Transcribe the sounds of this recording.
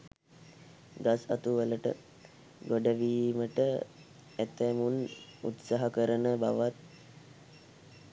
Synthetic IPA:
ɡasa̰t̪uʋələʈə̰ | ɡoɖəʋiːməʈə | æt̪æmunṵt̪saɦakəɾənəba̰ʋat̪̚

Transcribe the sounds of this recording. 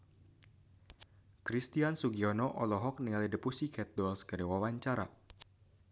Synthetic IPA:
kɾist̪iansuɡiɔnɔʔɔlɔɦɔk̚niŋalidəpusikʰɛt̪̚dɔlskəɾiwawaɲt͡ʃaɾa̰

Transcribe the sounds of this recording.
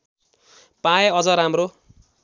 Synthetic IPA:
pajʌd͡zʌɾamro

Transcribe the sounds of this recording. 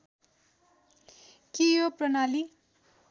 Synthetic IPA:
kijoprʌnali

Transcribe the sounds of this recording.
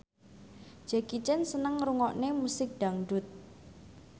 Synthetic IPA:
d͡ʒ̥ɛkit͡ʃɛnsənəŋɾuŋɔʔnemusɪk̚d̪̥aŋɖʊt̪̚

